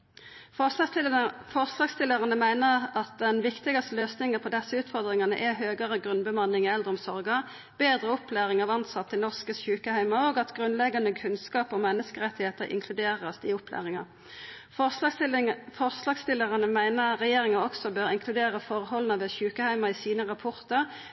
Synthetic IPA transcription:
fɔʁslɑːɡst̪ɪlːəʁɑnəmæɪnəʁɑt̪̚d̪ɛnʋɪkt̪ɪɡɑst̪əløːsnɪŋəpʰɔd̪ɛsːəʉːt̪fɔʁd̪ʁɪŋɑnə̰ʔɛɦøːɡəʁəɡʁʉnbəmɑnːɪŋɛləʁɔmsɔʁɡɑ | b̥eːd̪ɾəʊpʰlæːʁɪŋɑʋɑnt̪sɑt̪ʰːɪlnɔʁskəɕʉːkəhæɪmɑoɡɑt̪ɡʁʉnlɛɡːɑnəkʰʉnskɑːpɔmɛnːəskəʁɛt̪ːɪheːt̪əɾʔɪ̰ŋkʰlʉd̪eːʁəsd̪̥ɪʊpʰlæ̰ːʁɪŋɑ | fɔʁslɑːɡst̪ɪlːəʁɑnəmæɪnəʁɛjeːɾɪŋəɔksɔbøːɾɪŋkʰlʉd̪eːʁəfɔʁhɔlənɑʋɛçʉːkəhæɪmɑɪsiːnəʁɑpʰɔʁt̪əʁ

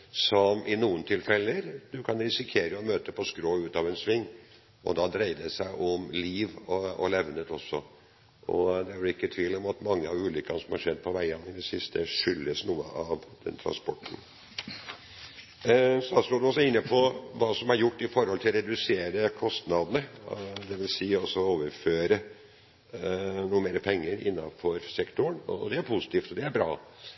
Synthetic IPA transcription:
sɔmʔɪnuːənt̪ʰɪlfɛlːəɾd̪ʉkʰɑnɾɪsɪkʰeːɾəɔmøːt̪əpʰɔskɾoːʉːt̪ɑʋɛnsʋɪŋː | ʔɔ̰d̪ɑːd̪ɾæɪd̪ɛsæɪʔɔmliːʋɔɔ̰lɛʋnət̪ɔsːɔ | ɔd̪ɛʋlɪkːət̪ʰʋiːlɔmɑt̪mɑŋːəɑʋʉːlʏkɑnəsɔmhɑɾʂɛd̪̚ːpʰɔʋæɪənɪd̪ɛsɪst̪ʰəʂʏlːəsnuːə̰ʔɑʋd̪̥ɛ̰nt̪ʰɾɑ̰nspɔʈːn̩ | sɔd̪æːst̪oːɖʉɔsːɔɪnːəpʰɔʋɑːsɔmæɾjʊʈːɪfɔɾhɔlt̪ʰɪlɾɛd̪ʉseːɾəkʰɔst̪nɑd̪nəd̪ɛʋɪlsiːɔsɔoːʋəɾføːɾə | nuːəmeːɾəpʰɛŋːəɾɪ̰nːɑfɔɾsɛkt̪ʊɳɔd̪ɛæɾpʰʊsɪ̥t̪iːft̪ɔd̪ɛæɾbɾɑ̰ː

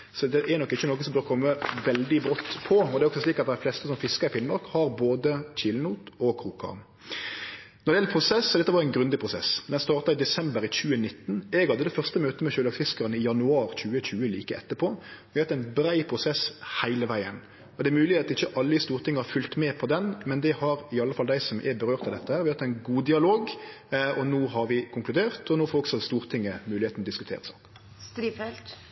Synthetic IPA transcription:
sɔd̪ɛʔɛnɔkːɪçːənoːkənsɔmbøːʁɾəkʰɔmːəʋɛld̪ɪbɾɔt̪ːpʰɔɔd̪ɛɾɔksɔsliːkɑt̪̚d̪ɛflɛst̪əsɔmfɪskəɾɪfɪnmɑʁkhɑɾboːd̪əc͡çɪlnuːt̪ɔkʰɾuːkʰɑ̰ | nɔɾd̪ɪɛləpʰɾʊsɛsːɔd̪ɛt̪ːəʋɑɾɛɪnɡɾʉnd̪ɪpʰʁʊsɛ̰sd̪ɛnst̪ɑːʁt̪ɑɪd̪ɛsɛmbəɾɪc͡çʉːənɪt̪ːn̩ɛɡhɑd̪əd̪ɛfœʁst̪əmøːt̪əmɛʃøːlɑksfɪskəʁənəɪjɑnʉɑːɾc͡çʉːət͡ɕʉːəlḭːkəɛt̪ːəpʰoːʋɪhɑt̪æɪnbɾæɪpʰɾʊsɛshæɪləʋæɪən | ɔd̪ɛæɛɾmʉːlɪheːɑt̪ɪçːəʔɑlːəɪst̪uːɾt̪ʰɪŋːəhɑfʉlt̪mɛːpʰɔd̪ɛnmɛnd̪ɛhɑɾɪɑlːəfɑld̪æɪsɔmʔæ̰bəɾøːʁt̪ɑd̪ɛt̪ːəhæːɾʋɪhɑt̪æɪnɡuːd̪ɪɑloːɡ | ɔnoːɦɑɾʋɪkʰʊŋklʉd̪eːʁt̪ʰɔnoːfɔɾɔksɔst̪uːʁt̪ʰɪŋːəmʉːlɪeːt̪nɔd̪ɪskʉt̪ʰḛːʁəsɑ̰ːk | st̪ɾiːfɛlt̪

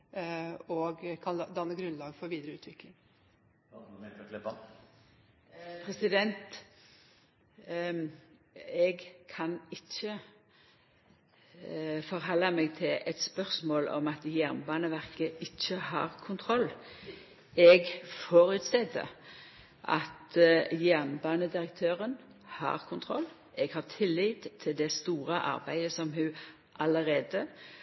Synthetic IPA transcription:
ɔɡkʰɑnd̪ɑnːəɡɾʉnlɑːɡfɔɾʋiːd̪ɾəʉːt̪ʰʋɪklɪŋ | pʰʁɛsɪd̪ɛnt̪ | ɛɡkʰɑnɪt͡ʃːə | fɔʁɦɔlːɑmeːɡt̪ʰɪlɛt̪spœʁsmoːlɔ̰mɑt̪jæʁnbɑːnəʋæʁkəɪçːəhɑ̰ːʁkʰʊnt̪ʰʁɔlː | ɛɡfoːɾʉt̪sɛd̪ə̰ | ʔɑ̰t̪jæʁnbɑːnəd̪ɪɾəkt̪ʰøːʁən | hɑ̰ːʁkʰʊnt̪ʰʁɔlː | ɛɡhɑʁt̪ʰɪlːit̪t̪ʰːɪld̪ɛst̪uːɾəʔɑ̰ʁbæɪəsɔmhʉ | ʔɑləʁeːd̪ə

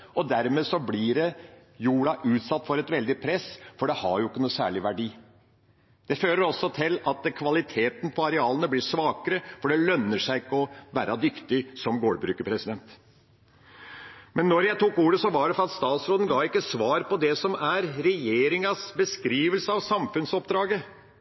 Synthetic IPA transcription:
ɔd̪æɾmeːsɔblɪɖɛ | juːɽɑʔʉːt̪sɑt̪ːfɔɾɛt̪ʋɛld̪ɪpʰɾɛsfɔɖɛhɑɾjʊɪkːənuːsæ̰ːɭɪʋæɖiː | d̪̥ɛføːɾəɾɔsːɔt̪ʰɪlɑt̪kʰʋɑlɪt̪ʰeːt̪npʰɔɑɾɛɑːlənəblɪʂʋɑːkəɾəfɔɖɛlœnːəʂæɪɪkːəɔʋæːɾɑd̪ʏkt̪ɪsɔmɡoːɖbɾʉːkəpʰɾɛsɪd̪ɛnt̪ | mɛnːɔɾjæɪt̪uːkuːɾəsɔʋɑɖɛfɾɑt̪st̪ɑːt̪sɾoːd̪ənɡɑːʋɪkːəsʋɑːɾpʰɔd̪ɛsɔmæɾɾɛjeːɾɪŋɑsbəskɾiːʋəlsəɑʋsɑmfʉnsɔpd̪ɾɑːɡə

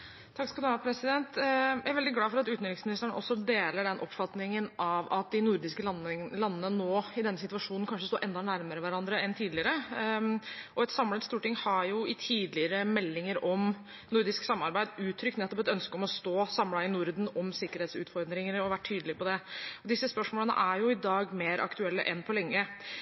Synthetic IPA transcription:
t̪ʰɑkːskɑld̪ɑpʰɾɛsɪd̪ɛnt̪jæɾʋɛld̪ɪɡlɑːfɔɾɑt̪ʉːt̪nʏɪŋsmɪnɪst̪əɳə̰ʔɔsːɔd̪eːləɖɛnʔɔ̰pfɑt̪nɪŋənʔɑʋɑt̪̚d̪ɪnʊɾd̪ɪskəllɑnːənənoːɪd̪ɛnːsɪt̪ʉɑʂuːnn̩kɑnʂəst̪oːʔɛnd̪ɑnæɾməɾəʋæɾɑnd̪ɾəɛnt̪ʰiːd̪lɪəɾə | ʔɔɛt̪sɑmlət̪st̪uːʈɪŋhɑɾjʊɪt̪ʰiːd̪lɪəɾəmɛlːɪŋəɾɔm | nʊɾd̪ɪsksɑmːɑɾbæɪd̪ʉːt̪ʰːɾʏkt̪nɛt̪ːɔpɛt̪œnskəɔmɔst̪oːsɑmlɑɪnʊɾd̪n̩ɔmsɪkəɾeːt̪sʉːt̪fɔɾd̪ɾɪŋəɾɔʋæʈʰːyːd̪lɪpʰɔd̪ɛɔd̪ɪsːəspœʂmoːlənə̰ʔæɾjʊɪd̪ɑːɡmeːɾʔɑ̰kt̪ʉɛlːə̰ʔɛnpʰɔlɛŋːə

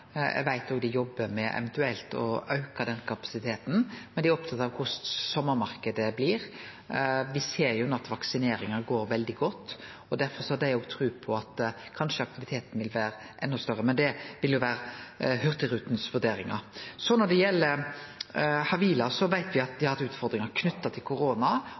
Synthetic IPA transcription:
ɛ̰ʋæɪt̪oːɡd̪ɪjɔbːəmɛʔɛ̰ʋɛnt̪ʉɛlt̪ɔ̰ɑʉkɑd̪ɛnkʰɑpɑ̥sɪt̪ʰeːt̪n̩mɛnd̪æɾɔp̚t̪ʰɑt̪ːɑʋkʰʊʂsɔmːəɾmɑɾkəd̪əbliːɾ | ʋɪseːɾjʊɛnːəɑt̪ʋɑksɪneːɾɪŋɑɾɡoːɾʋɛld̪ɪɡɔt̪ː | ɔd̪æɾfɔɾsɔhɑd̪æɪoːɡt̪ʰɾʉːpʰɔɑt̪kʰɑnʂəɑk̚t̪ɪʋɪt̪ʰeːt̪n̩ʋɪlʋæːɾ | ʔɛnːɔst̪œɾːəmɛnd̪ɛʋɪljʊʋæːɾhœɾt̪əɾʉːt̪nsʋʉd̪eːɾɪŋɑ̰ɾsɔnɔɖ̪ɛjɛlːə | hɑʋiːlɑsɔʋæɪt̪ʋɪɑt̪d̪ɪhɑɾɛt̪ʉːt̪fɔɾd̪ɾɪŋɑɾkʰnʉt̪ːɑt̪ʰɪlkʰʊɾoːnɑ

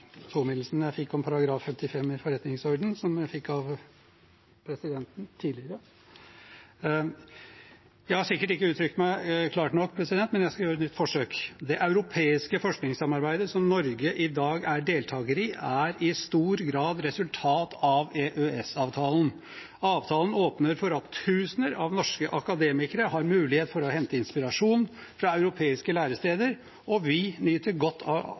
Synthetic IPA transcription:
t̪ʰuːmɪd̪l̩sənjæɪfɪkːɔmpʰɑɾɑɡɾɑːfːɛmt̪ɪfɛmːɪfɔɾɛt̪nɪŋsɔɾɖ̪n̩sɔmjæɪfɪkːɑʋ | pʰɾɛsɪd̪ɛnt̪n̩t̪ʰiːlɪɾə | jæɪhɑsɪkːəʈɪkːəʉːt̪ʰɾʏk̚t̪mæɪkʰlɑːʈnɔkːpʰɾɛsɪd̪ɛnt̪ːmɛnjæɪskɑjøːɾəɛt̪nʏt̪ːfɔʂøːkd̪ɛʔɑʉɾʊpʰeːɪskəfɔʂknɪŋsɑmːɑɾbæɪd̪əsɔmnɔɾɡəʔɪd̪ɑːɡæɖeːlt̪ʰɑːɡəɾɪæɾɪst̪uːɾɡɾɑːd̪ɾɛsʉlt̪ʰɑːt̪ʰɑʋeʔøɛsɑːʋt̪ʰɑːln̩ | ɑːʋt̪ʰɑːln̩oːpnəɾfɔɾɑt̪ʰːʉːsənəɾɑʋnɔʂkəʔɑkɑd̪eːmɪkəɾəhɑɾmʉːlɪheːt̪fɔɾɔhɛnt̪əɪnspɪɾɑʂuːn | fɾɑɑʉɾʊpʰeːɪskəlæːɾəst̪eːd̪əɾ | ʔɔʋɪnyːt̪əɾɡɔt̪ʰːɑ̰

